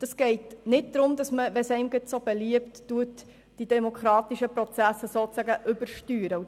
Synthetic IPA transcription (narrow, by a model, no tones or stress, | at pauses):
d̥ɑsɡ̥ɛɪtnɪt̚d̥̪ɾʊmd̪ɑsməʋɛsɛɪmɡɪtsob̥ɛliəptːuət | d̥idɛmokχɾɑːt̪iʃəpɾot͡sæsəsoːt͡sæɡəʔʏbəɾʃtyːɾə